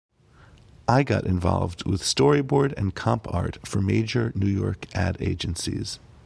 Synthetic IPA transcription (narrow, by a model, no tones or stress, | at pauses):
ʔaɪɡɑ̰ɾʔɨ̃ɱvɑ̰lˠvd̚wɪð̥stɔɹibɔɹɾɨ̰̃nkʰɑ̃mpʰɑ̰ɹtfə˞meɪd͡ʒə˞nʉjɔɹkʔæɾeɪd͡ʒɨ̃nsḭz̥